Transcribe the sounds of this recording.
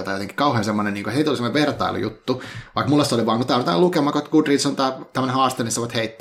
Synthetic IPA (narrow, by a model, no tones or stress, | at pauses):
t̪ɑjot̪eŋki̥kɑuheːnsemːoneniːŋkoheit̪olisemːoneʋert̪ɑ̰ḭlṵjṵt̪ːuʋɑikmulːest̪eoliʋɑːŋkot̪ɑˑnt̪ɑ̰ːlukemɑkot̪ɡ̥udrit̪sont̪æːt̪æmːənehɑːst̪enist̪ːsɑʋɑt̪heit̪ːæ